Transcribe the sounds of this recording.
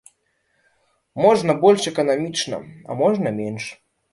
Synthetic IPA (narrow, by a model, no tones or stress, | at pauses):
mɔʐnɐbɔlʲʂɛkɐnamʲit͡ʂnɐ̰ɐ̰mɔʐnɐmʲenʂ